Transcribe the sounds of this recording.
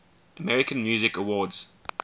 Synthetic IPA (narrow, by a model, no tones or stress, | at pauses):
ʔəmɛɹɪkə̃nmjʉːzɪkəwɔːdz̥